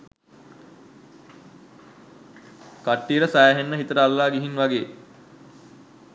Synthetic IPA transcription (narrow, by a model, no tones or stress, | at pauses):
kaʈːiəɾəsæjaɦenːəɦit̪əɾəalːaːɡiɦinʋaɡeː